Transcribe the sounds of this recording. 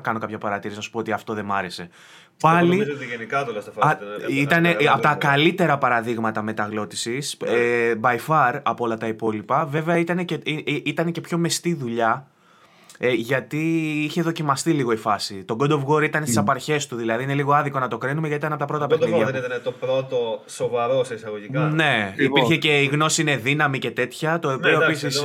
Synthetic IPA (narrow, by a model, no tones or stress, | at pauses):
kɐno̞kɐpçɐpɐɾɐt̪iɾisnɐsu̥poot̪iɐft̪o̞ðe̞mɐɾe̞se̞ | pɐlizt̪iʝenikɐt̪olɐsɐfɐit̪ɐneɐpot̪ɐkɐlit̪e̞ɾɐpɐɾɐðiɣmɐt̪ɐme̞t̪ɐɣlo̞t̪i̥sisebɐifɐɾɐpoo̞lɐt̪ɐipo̞lipɐve̞veɐit̪ɐneceit̪ɐne̞ce̞pço̞mest̪iðuʎɐ | ʝɐt̪iiçe̞ðo̞cimɐst̪iliɣo̞ifɐsit̪o̞ɡod̪o̞vɣoɾit̪ɐnesisɐpɐɾçe̞st̪uðilɐðiine̞liɣoɐðiko̞nɐt̪o̞kɾinumeʝɐt̪it̪ɐnɐp̬ot̪ɐpɾo̞t̪ɐpeiðʝɐnit̪ɐnet̪opɾo̞t̪oso̞vɐɾosisɐɣoʝikɐne̞ipiɾçeceiɣno̞siine̞ðinɐmice̞t̪e̞t̪çɐt̪opioepisis